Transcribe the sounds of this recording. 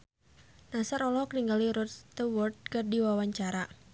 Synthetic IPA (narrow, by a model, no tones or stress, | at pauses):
nasaɾɔlɔkəniŋɡaliɾɔtt̪əwɔrt̪̚kərdiwawaɲt͡ʃaɾa